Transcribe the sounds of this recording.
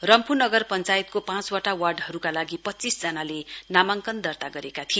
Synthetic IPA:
rʌmpunʌɡʌrpʌnt͡sajt̪̚kopãt͡swaʈawarɖɦʌɾukalaɡipʌtːt͡sisd͡zʌnalenamaŋkʌnd̪ʌrt̪aɡʌɾekat̪ʰi

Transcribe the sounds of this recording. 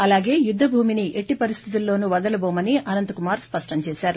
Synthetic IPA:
ɐlaːɡe̞ːjud̪ʱːɐbʱuːminiʔeʈːipɐɾist̪ʰit̪̬ulːo̞ːnuʋɐd̪ɐlɐboːmɐniɐnɐnt̪ɐkumaːɾspɐʂʈɐɲt͡ʃɛːʃaːɾu

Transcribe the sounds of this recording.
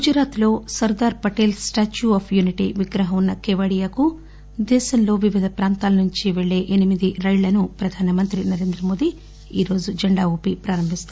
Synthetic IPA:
ɡud͡ʒɐɾaːt̪lo̞ːsɐɾd̪aːɾpɐʈeːlsʈaːt͡ʃuaːpʰjuniʈḭʋiɡɾɐɦɐmunːɐkeʋɐɽijaːku | d̪ɛːʃɐmlo̞ːʋiʋid̪ʱɐpɾaːnt̪aːlɐnuɲt͡ʃiʋeɭːe̞ːʔenimid̪iɾɐjɭɐnupɾɐd̪ʱaːnɐmɐnt̪ɾinɐɾe̞ːnd̪ɾɐmo̞ːd̪i | iːɾo̞ːd͡ʒud͡ʒɐɳɖaːuːpipɾaːɾɐmbʱist̪u

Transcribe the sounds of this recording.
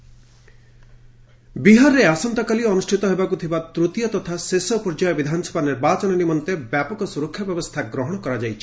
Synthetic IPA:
biɦaɾɾeasɔnt̪ɔkaliɔnusʈʰit̪ɔɦebakut̪ʰibat̪ɾut̪jɔt̪ɔt̪ʰasesɔpɔɾd͡ʒajɔbid̪ʱanɔsɔ̥baniɾbat͡ʃɔnɔnimɔnt̪ebjapɔkɔsuɾɔkʰjɔbjɔbɔst̪ʰaɡɾɔɦɔɽ̃ɔkɔɾad͡ʒajt͡ʃʰi̥

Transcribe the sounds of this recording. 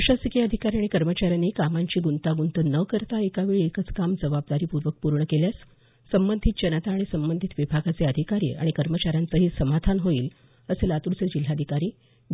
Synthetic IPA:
ɕasikijəd̪ʱikaɾiaɽ̃ikəɾmət͡ɕaɾjanikamaɲt͡ɕiːɡunt̪aɡunt̪ənəkəɾt̪aekaʋeɭiekət͡skamd͡zəʋab̚d̪aɾiːpuɾʋək̚puɾɳəkeljas | səmbənd̪ʱit̪̚d͡ʑənət̪aːɽ̃isəmbənd̪ʱit̪ʋibʱaɡat͡seəd̪ʱikaɾḭːa̰ɽ̃ikəɾmət͡ɕaɾjant͡səɦiːsəmad̪ʱanɦoiːl | əselat̪uɾt͡səd͡ʑil̤ːad̪ʱikaɾiː

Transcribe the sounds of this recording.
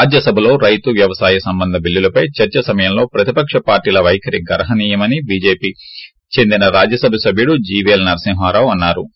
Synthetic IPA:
aːd͡ʒjɐsɐbʱɐlo̞ːɾɐjt̪uʋjɐʋɐsaːjɐsɐmbɐnd̪ʱɐbilːulɐpɐjt͡ʃɐɾt͡ʃɐsɐmɐjɐmlo̞ːpɾɐt̪ipɐkʂɐpaːɾʈiːlɐʋɐjkʰɐɾiɡɐɾɐɦɐniːjɐmɐnibiːd͡ʒeːpiː | t͡ʃe̞nd̪inɐɾaːd͡ʒjɐsɐbʱɐsɐbʱjuɽud͡ʒiːʋelnɐɾɐsiŋɦʋaːɾaːwɐnːaːɾu

